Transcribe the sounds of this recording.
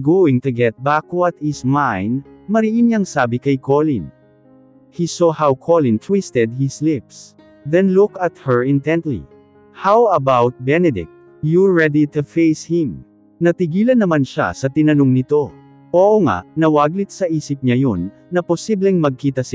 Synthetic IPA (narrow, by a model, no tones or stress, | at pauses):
ɡoɪ̃ŋt̪ʊɡɛt̪̚bakoɐt̪hismajnmɐɾiʔɪnjaŋsaːbɪkɐjkolɪ̃n | hisohawkʰolɪ̃nt̪ʰwist̪ɛd̪̚hɪslɪps | ðɛ̃nlʊkɐt̪̚hɛɹɪ̃nt̪ɛ̃nt̪lḭ | hawɐbawt̪̚bɛnɛd̪ɪ̰k̚t̪̚ | juɹɛd̪it̪ufejshɪ̃m | nɐt̪ɪɡiːlɐnːɐmanʃa̰sɐt̪ɪnɐnoŋnɪt̪o̞ | ʔoʔoŋa̰ʔnɐwaɡlɪt̪̚sɐʔiːsɪp̚ɲɐjonːɐposiblɛŋmɐɡ̚kiːt̪ɐsɪ